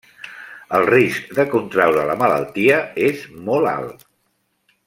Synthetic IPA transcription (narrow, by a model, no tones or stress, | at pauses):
əlˠrisk̚d̪əkunt̪ɾawɾələmələ̰lˠt̪iəezmɔla̰lˠ